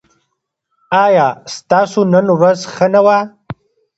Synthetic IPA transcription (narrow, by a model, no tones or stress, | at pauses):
ɑːjɑːst̪ɑːsonənɾazxənawa